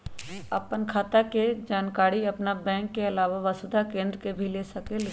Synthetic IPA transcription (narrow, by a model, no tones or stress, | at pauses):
ɐpənkʰaːt̪aked͡ʒaːnkaːɽiɐpnabɛ̃ːŋkːeɐlaːʋaʋɐsʊd̪ʱakẽːnd̪ɾkebʱilesɐkel